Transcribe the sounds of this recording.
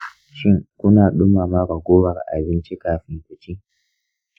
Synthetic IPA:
ʃɪ˦ŋkʷʊ˦naː˨ɗʊ˦maː˨ma˦ɾa˨ɡʷoː˦wɐ˨ɾʔa̰˨bɪ˦nt͡ʃi˦kaː˨ɸɪ˦ŋkʷʊ˨kʲiː˦

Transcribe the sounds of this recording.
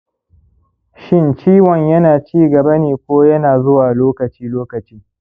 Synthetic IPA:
ʃɪ˦nt͡ʃiː˦wɔ˨ɲjɐ˦naː˨t͡ʃiː˦ɡɐ˨bɐ˦neː˨kʷoː˦jɐ˦naː˨zʊ˦waː˨loː˦kɐ˨t͡ʃiː˦loː˦kɐ˨t͡ʃiː˦

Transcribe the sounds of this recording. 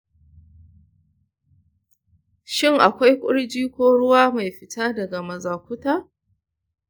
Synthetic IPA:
ʃɪ˦ŋʔa˨kʷa˦jkʷʼʊ̰˦ɽd͡ʒiː˦kʷoː˦ɽʊ˦waː˦ma˨jɸɪ˦taː˦dɐ˨ɡa˨mɐ˨zaː˨kʷʊ˦taː˦

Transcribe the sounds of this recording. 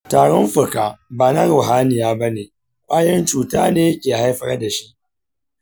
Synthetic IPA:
taː˨ɽɔ˦mɸʊ˨kaː˨baː˨nɐ˦ɾʊ˨ɦaː˦nɪ˨jaː˦bɐ˦neː˨ | kʷʼaː˦jɐ˦nt͡ʃuː˨taː˦neː˦jɐ˦kʲeː˨ha˦jɸɐ˦da˨ʃi˦ʔ

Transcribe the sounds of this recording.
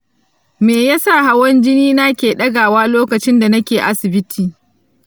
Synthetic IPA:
meː˨jaː˦sa˦˨ɦa˦wɐ˦nd͡ʒɪ˦niː˦naː˦kʲeː˨ɗɐ˦ɡaː˨waː˦loː˦kɐ˨t͡ʃɪ˦nda˨nɐ˦kʲeː˨ʔa˦sɪ˨bɪ˦tʰiː˨

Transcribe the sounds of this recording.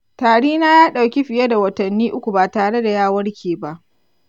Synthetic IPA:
taː˨ɽiː˦na˦jaː˦ɗa˨wkʲi˦ɸɪ˨ja˦da˨wɐ˨tɐ˨nːiː˦ʔʊ˦kʷu˨baː˨taː˨ɽe˦da˨jaː˦˨wɐ˦ɽkʲʰeː˨ba˦ʔ

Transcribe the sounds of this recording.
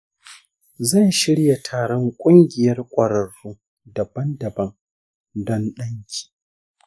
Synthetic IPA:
zɐ˦˨jʃɪ˦ɽja˨tʰaː˨ɽɔ˦ŋkʷʼʊ˦ŋɡʲɪ˨jɐ˦rkʷʼɐ˨ɽɐ˨ɽːuː˦ | dɐ˨bɐ˦ndɐ˨bɐ˦ŋ | dɔ˦nɗɐ˦ŋkʲi̥ː˨

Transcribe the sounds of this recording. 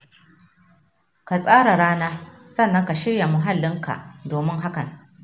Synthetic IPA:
ka˨sʼaː˦ɽa˨ɽaː˦naː˦sɐ˦nːɐ˦ŋka˨ʃɪ˦ɽja˨mu˦ɦa˦lːɪ˦ŋkʰa̰˨doː˨mɪ˦ŋɦa˦kɐ˨ŋ

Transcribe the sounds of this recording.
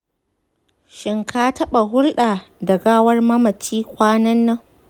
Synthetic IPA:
ʃɪ˨ŋkʰaː˦tɐ˦ɓa˨ɦʊ˦rɗaː˨dɐ˨ɡaː˦wɐ˦rmɐ˦mɐ˨t͡ʃiː˦kʷaː˦nɐ˦nːɐ˦ŋ

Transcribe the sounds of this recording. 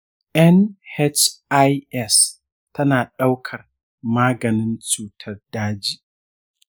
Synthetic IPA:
ʔɛ˦nhɛ˦t͡ʃa˦jʔɛ˦˨s | tɐ˦naː˨ɗa˦wkʰɐ˨r | maː˦ɡɐ˨nɪ˦nt͡ʃuː˨tʰɐ˦rdaː˦d͡ʒiː˦

